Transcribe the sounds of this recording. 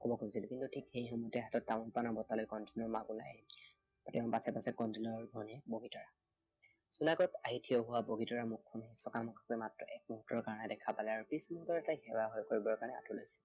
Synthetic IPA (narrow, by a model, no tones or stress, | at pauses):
kɔbɔkosilkintutʰikxejxumɔtɛɦatɔt̚ːamɔnpanɔɹbɔtalojkɔntʰinɔɹmaɡula̰j | tɛʊ̃npasɛpasɛkɔntilɔɹɡʱɔnɛboɡitɔɹa | sunaɡɔtaɦitʰiɔɦʊwaboɡitɔɹamukʰːɔnhesɔkamɔkʰɔ̥k̚ɛmatɹɔʔɛk̚muɦutɔɹkaɹɔnɛdɛkʰapalɛaɹupismɔntɔɹɛtajxɛwaɦojkoɹibɔɹkaɹnɛa̰tʰulajsi̥l